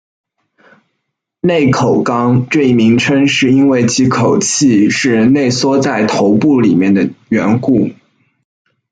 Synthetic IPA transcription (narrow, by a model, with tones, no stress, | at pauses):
ne˥˩ɪkʰo˨˩ʊkɑ˥ŋʈ͡ʂɤ˥˧i˥˩mi˧˥ŋʈ͡ʂʰə˥ŋʂɻ̩˥˩i˥nwe˥˩ɪt͡ɕʰi˧˥kʰo˨˩ʊt͡ɕʰi˥˧ʂɻ̩˥˩ɻə˧˥nle˥˩ɪswɔ˥t͡sa˥˩ɪt̪ʰo˧˥ʊpu˥˩li˨˩mjɛ˥˩nd̪ə˩ɥɛ˧˥nku˥˩